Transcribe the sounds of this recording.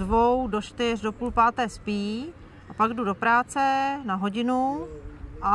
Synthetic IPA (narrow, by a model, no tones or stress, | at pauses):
vowdot͡ʃt̪ɪrdo̞puːlpaːt̪ɛːspiː | ʔapaɡdudo̞pɾaːt͡sɛnaɦoɟɪnu | ʔa